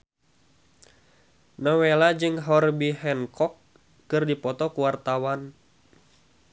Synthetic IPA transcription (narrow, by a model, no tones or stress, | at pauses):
nɔwelad͡ʒɨŋɦɔrbiɦɛnkɔkː | ɨrdipɔt̪ɔkuwart̪awan